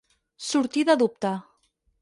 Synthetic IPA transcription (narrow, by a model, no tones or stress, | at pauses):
suɾt̪iðaðup̚t̪a